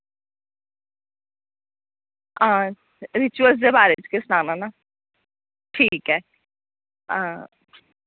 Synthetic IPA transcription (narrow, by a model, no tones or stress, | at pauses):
ãː | ɾɪt͡ʃʊəls̬d̪eːbaːɾet͡ʃkɪsnaːnãːnaː | ʈʰiːkɦɛː | aː